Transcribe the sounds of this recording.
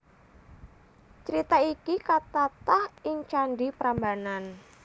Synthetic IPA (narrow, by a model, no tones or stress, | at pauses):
t͡ʃəɾit̪aikikat̪at̪ahɪŋt͡ʃanɖipəɾambanan